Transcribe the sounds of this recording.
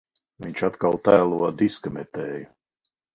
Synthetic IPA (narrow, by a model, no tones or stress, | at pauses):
viɲʲt͡ʃat̪kalˠt̪æːlˠuɔd̪iskamɛt̪ɛːju